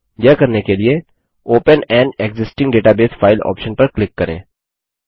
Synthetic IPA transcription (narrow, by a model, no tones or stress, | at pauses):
jakɐɾnekelie | oːpənɛ̃ːɳɖeɡzɪsʈɪ̃ŋɡɖeːʈabeːsfʰaːɪlɔ̰ːpʃənpɐɾklɪkːɐɾḛ̃ː